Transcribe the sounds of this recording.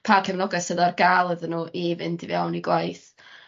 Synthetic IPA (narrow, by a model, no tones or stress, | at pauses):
pʰakʰɛvnɔɡɛsəðarɡalˠəðənuːʔevɨndɪvjawniɡwajθ